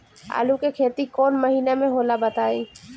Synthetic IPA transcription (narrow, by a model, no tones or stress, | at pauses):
a̰ːlũkekʰeːt̪ikɔːnmɐɦiːnemẽɦoːlabɐt̪aːĩː